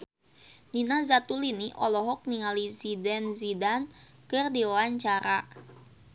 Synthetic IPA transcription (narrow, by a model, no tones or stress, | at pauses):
ninazat̪uliniʔɔ̰lɔɦɔk̚niŋalizidɛnzidan | kərdiɔwaɲt͡ʃaɾa